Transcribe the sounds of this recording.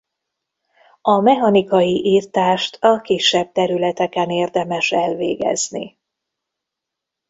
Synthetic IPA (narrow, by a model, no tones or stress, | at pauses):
ɒmɛɦɒnikɒjiʔiːrt̪aːʃt̪ʰɒkiʃːɛb̚t̪ɛɾylɛt̪ɛkɛneːrd̪ɛmɛʃɛlvḛːɡɛ̰znḭ